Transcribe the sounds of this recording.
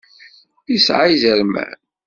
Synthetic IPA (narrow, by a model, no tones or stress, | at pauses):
isʕajzəɾmæ̰